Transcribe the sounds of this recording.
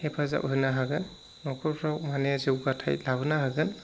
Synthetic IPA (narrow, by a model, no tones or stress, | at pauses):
hepʰaza̰ʔɦɯnaɦaɡɯnː | ɔkʰɔɾpʰɾawmaneaziwɡatʰa̰jlabɯnahaɡɯn